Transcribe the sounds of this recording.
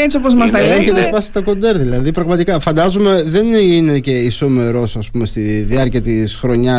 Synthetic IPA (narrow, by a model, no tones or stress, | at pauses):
et͡ssiopozmɐs̬t̪ɐeçet̪espɐsi̥t̪ɐko̞nd̪e̞ɾðilɐðipɾɐɣmɐt̪ikɐfɐnd̪ɐzume̞ðe̞nine̞ce̞iso̞me̞ɾo̞sɐspume̞st̪iðiɐɾciɐt̪isxɾo̞ɲɐ